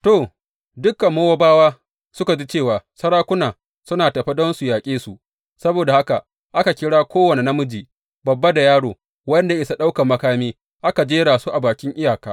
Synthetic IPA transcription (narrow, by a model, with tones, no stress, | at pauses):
toː˨ | dʊ˦kːɐ˨mːoː˦wa˦baː˦waː˦ | sʊ˦ka˨d͡ʒiː˦t͡ʃeː˦˨waː˨sɐ˦ɽaː˦kʷʊ˦naː˨ | sʊ˦naː˨tɐ˨ɸi˦dɔ˦nsu˨jaː˨kʲʼeː˦su˨ | sɐ˦boː˨da˨ha˦ka˨ | ʔa˦ka˨kʲɪ˦ɽaː˦kʷoː˦wɐ˨ne˨nɐ˦mʊ˦d͡ʒiː˨ | bɐ˨bːa˦da˨jaː˦ɽoː˨ | wɐ˦nda˨ʔɪ˦sa˦ɗa˦wka˨mɐ˦kaː˦miː˦ | ʔa˦ka˨d͡ʒeː˦ɽaː˨su˦ʔa˨baː˨kʲɪ˦ŋʔɪ˦jaː˨kaː˦